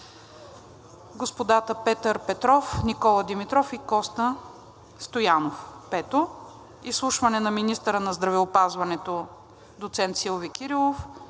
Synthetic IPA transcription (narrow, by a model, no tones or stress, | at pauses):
ɡospod̪at̪əpɛt̪əɾpɛt̪ɾɔfnikɔlˠəd̪imit̪ɾɔfikɔst̪ə | st̪ojanofpɛt̪o | islˠuʃvɐnɛnɐminist̪əɾənɐzd̪ɾɐvɛopazvɐnɛt̪o | d̪ot̪sɛnt̪silˠvikʲiɾilˠof